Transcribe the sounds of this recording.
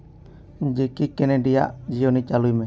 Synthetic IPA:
d͡ʒɛkikɛnɛɖija̰ʔd͡ʒijonit͡ʃalujmɛ

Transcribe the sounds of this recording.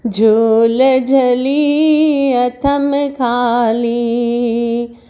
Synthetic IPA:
d͡ʒʱuːləd͡ʒʱɐli | ɐt̪ʰɐmkʰaːli

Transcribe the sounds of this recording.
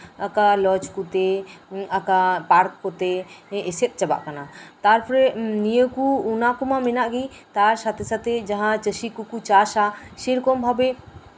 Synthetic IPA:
əkalɔt͡ʃkut̪eəkapaɾkːɔt̪eːset̪̚ˀt͡ʃəba̰ʔkanat̪aɾpʰɔɾenijəkuːnakumãmenaʔɡi | t̪aɾsat̪ʰesat̪ʰed͡ʒɐɦãt͡ʃəʃikukut͡ʃaʃaʃiɾkɔmbʱabe

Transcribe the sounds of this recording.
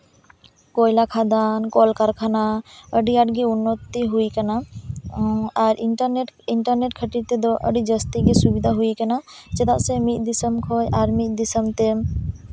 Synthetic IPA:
kɔjlakʰad̪ankɔlkaɾkʰanaəɖiaɖɡɛunːɔt̪ːiɦujkana | ɾʔiəneʈiɳʈəɾneʈ̚kʰəʈiɾt̪ɛd̪ɔʔə̰ɖid͡ʒəst̪iɡɛsubid̪ʱaɦujkanat͡ʃɛt̪aʔsɛmit̪̚ˀd̪isəmkʰɔjaɾmit̪̚ˀd̪isəmt̪ɛm

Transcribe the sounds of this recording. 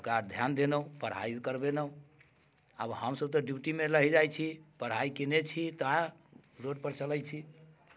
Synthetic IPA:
kad̪ʱjand̪enəɦũpəɽ̤ɦa̰ikəɾbenəɦũ | a̰bhəmsəb̚t̪ɔɖipʈimeləɦɛd͡ʒajt͡ʃʰipəɽ̤aikenet͡ʃʰit̪əãɾoɖ̚pəɾt͡ʃələjt͡ʃʰi

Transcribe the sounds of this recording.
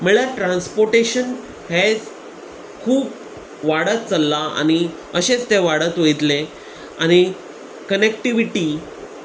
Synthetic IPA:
m̤əɭaʈɾãnspoɾʈeɕən | hɛd͡z | kʰuːp | ʋaɽat̪̚t͡səlːaa̰ñi | əɕet͡st̪eʋaɽət̪ʋejt̪le | añi | kənek̚ʈiʋiʈiː

